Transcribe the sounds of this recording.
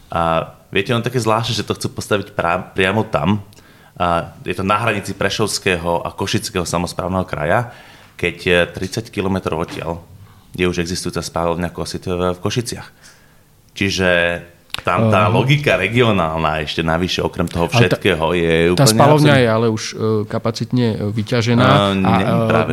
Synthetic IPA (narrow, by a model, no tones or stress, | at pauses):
aʋɪɛcɛɔnɔt̪akɛːzlaːʃnɛːʒɛt̪ɔxt͡suːpɔst̪aʋicpapɾɪamɔt̪a̰m | jɛt̪ɔnaɦɾaɲit͡sipɾɛʃɔʊskɛːɦɔʔa̰kɔʃit͡skɛːɦɔsamɔspɾa̰ːʊnɛɦɔkɾa̰ja | kɛct̪ɾit͡sackilɔmɛt̪ɾɔ̰ʊɔcːɪa̰ljɛuʒɛɡzist̪ujuːt͡saspalɔʊɲakɔsit̪fkɔʃit͡sɪax | t͡ʃiʒɛ | t̪amt̪aːlɔɡikaɾɛɡiɔnaːlnaɛʃcɛnaʋiʃɛɔkɾɛmt̪ɔɦɔfʃɛt̪kɛːɦɔjɛuːt̪alsɲɛalɔʊɲajɛalɛuʃkapat͡sit̪ɲɛʋicaʒɛnaːɲɛɲɛpɾa̰ːʋɛ